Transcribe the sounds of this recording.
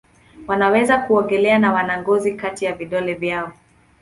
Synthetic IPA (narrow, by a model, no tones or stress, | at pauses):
wanawɛzakuɔŋɡɛlɛanawanaŋɡɔzikatijaviɗɔlɛvjaɔ